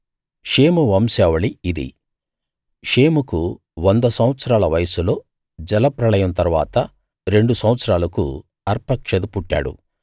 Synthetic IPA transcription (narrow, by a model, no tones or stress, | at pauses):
ʂe̞ːmuʋɐmsɛːʋɐɭiːd̪ḭ | ʂeːmuku | ʋond̪ɐsɐmʋɐt̪sɐɾaːlɐʋɐjɐsulo̞ː | d͡ʒɛlɐpɾɐlɐjɐmnt̪ɐɾʋa̰ːt̪ɐ | ɾe̞ɳɖusɐwʋɐt̪sɐɾaːlɐkṵ | ɐɾpɐkʂɐd̪upuʈːa̰ːɽṵ